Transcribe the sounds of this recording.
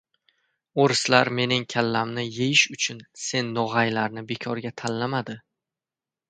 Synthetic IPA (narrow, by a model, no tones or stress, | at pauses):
oɾɪslaɾme̞nɪŋkʲʰalːamnɪjejɪʃʊt͡ʃʰʊnse̞nːɒʁajlaɾnɪbe̞kʲʰɒɾɡʲat̪ʰallamad̪ɪ